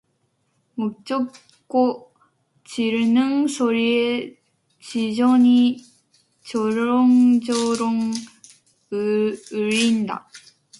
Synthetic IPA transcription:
mok̚t͡ɕ͈ok̚ | k͈o | t͡ɕiɾnɯŋsʰoɾie | t͡ɕid͡ʑoɲi | t͡ɕoɾoŋd͡ʑoɾoŋ | ɯɾinda̰

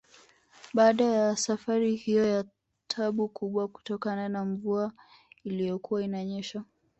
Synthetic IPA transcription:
ɓaːɗajasafaɾihijɔja | tʰaɓukuɓwaku̥tɔkananaɱvua | ilijɔkuwainaɲɛʃa

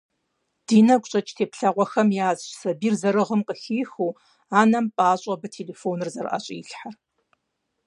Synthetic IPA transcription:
d̥iːnɐkʷʼɕʼɐt͡ʃʼtʰeːpɬɐʁʷɔxɐmjaːzɕsɐbiːrzɐɾɨʁəmqəxiːxuː | aːnɐmpʼaːɕʼɐbɐtʰeːleːfoːnɨrzɐrɨ̰ʔɐ̰ɕʼḭːɬħar

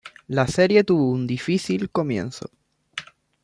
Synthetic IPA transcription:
lase̞ɾje̞t̪uβound̪ifiθilko̞mjẽ̞̰nso̰

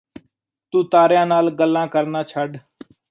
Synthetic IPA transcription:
t̪ũːt̪aːɾjãːnaːlɡəlːãːkəɾnaːt͡ʃʰəɖ

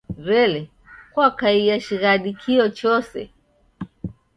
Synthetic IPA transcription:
ɾɛlɛ | kwakaiaʃiɣaɗikʰiɔt͡ʃɔsɛ̰

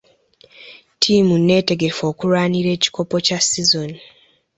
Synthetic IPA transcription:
tʰiːmune̞ːte̞ɡe̞fo̞ːkuɾwaːniɾe̞ːci̥ko̞po̞casizo̞ni

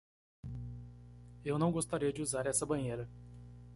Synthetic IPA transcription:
ewnɐ̃w̃ɡost̪aɾiɐd͡ʒɪuzaɾɛsɐbɐ̃j̃ejɾɐ

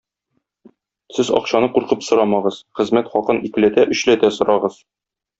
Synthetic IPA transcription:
sɘzɒ̰qɕɑnɤquɾqɤpsŏɾɑmɑʁɤzχɘ̆zmæt̪χɒqɤnikɘ̆læt̪æʔɵ̆ɕlæt̪æsŏɾʔɑʁɤz̥

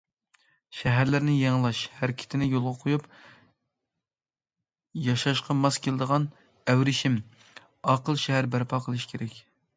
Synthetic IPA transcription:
ʃɛɦæɾlɪɾnɪjeŋlˠɑʃhæɾkʲʰɪ̥t̪ʰɪnɪjolˠʁɑqʰojup | jɑʃɑʃqɑmɑskʲʰelɪd̪əʁɑn | æwɾɪʃim | ɑqʰəlˠʃɛɦæɾbæɾpʰɑːqʰəlˠɨʃkʲʰeɾɛkʲ

